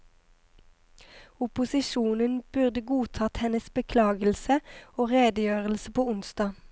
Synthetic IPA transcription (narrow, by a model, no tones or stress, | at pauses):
ʊpʊsɪʃuːnənb̥ʉʁd̪əɡuːt̪ʰɑːt̪hɛnəsbəkʰlɑːɡəl̩səoːʁeːd̪əjøːʁəl̩səpʰoːʊnsd̪ɑː